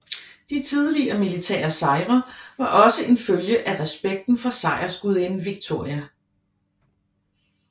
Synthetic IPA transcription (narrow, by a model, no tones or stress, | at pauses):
d̥it͡sʰiðˠliɐmilit͡sʰɛ̰ːɐsɑ̈ɪʁɐʋɑ̈ʔɒ̽səʔe̝nføljəʔæʁɛsb̥eɡ̥̚d̥n̩fɒ̽sɑ̈ɪɐsɡ̥uð̞̰ˠenn̩ʋiɡ̥̚t͡sʰo̝ɐ̰iæ